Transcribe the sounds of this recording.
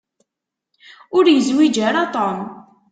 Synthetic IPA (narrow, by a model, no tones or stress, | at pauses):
ʊɾjəzwid͡ʒaɾɑt̪ˤɔn